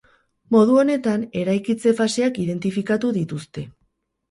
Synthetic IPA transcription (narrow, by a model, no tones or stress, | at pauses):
mo̞ð̞uo̞ne̞t̪ane̞ɾajkit͡se̞fase̞akiðe̞nt̪ifikat̪uðit̪ust̪e̞